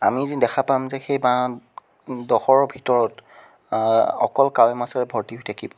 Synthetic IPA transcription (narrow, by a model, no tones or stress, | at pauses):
amizidɛkʰapamzɛxejba | dɔxɔɹɔbʱitɔɹɔt | ɔ̰kɔlkawɛmasɔɹɛbʱɔɹtiɦujtʰakibɔ